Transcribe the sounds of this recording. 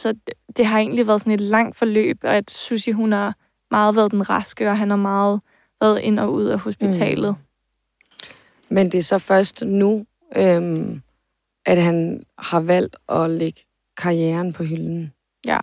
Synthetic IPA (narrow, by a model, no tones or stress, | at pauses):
sɒ̽d̥e̝ɦɑ̈e̝̰ːn̩liʋæːɐðˠsɒ̽ne̝d̥lɑ̈ŋ̰d̥fɒ̽lø̰ːb̥ɒ̽æd̥susiɦunhɑ̈ | mɑ̈ːð̞̩ˠʋæːɐð̞ˠd̥enʁɑsɡ̥əɒ̽ɦænhɑ̈mɑ̈ːð̩ˠ | ʋæɐð̩ˠʔe̝n̰ɒ̽uð̞̰ˠæho̝sb̥it͡sʰɛ̰ːlð̩ˠ | mend̥e̝æɐsɒ̽fɶɐsd̥nu | ʔøm | ʔæd̥ɦænhɑ̈ʋæl̰d̥ɒ̽leɡ̥ə | kʰɑ̈iɛːɐnpʰɒ̽ɦyln̩ | jæ̰